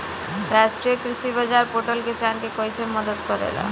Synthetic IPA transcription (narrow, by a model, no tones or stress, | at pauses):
ɾasʈɾiokɾiʃibad͡ʑaɾpoʈolket͡ɕankekojsʰemɔd̪ot̪kɔɾḛla̰